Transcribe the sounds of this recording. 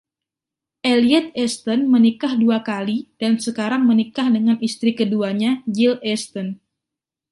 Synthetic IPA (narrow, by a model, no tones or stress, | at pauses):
ʔeliɛt̪̚ɛst̪ɔnmənikahduakalid̥ansəkaɾaŋmənikahdəŋanist̪ɾikəduaɲaɡilɛst̪ɔn